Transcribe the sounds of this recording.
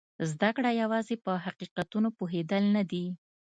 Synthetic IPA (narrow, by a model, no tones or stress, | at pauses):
zd̪akɽajawɑzepəɦaqiqat̪unopoɦed̪əlnad̪i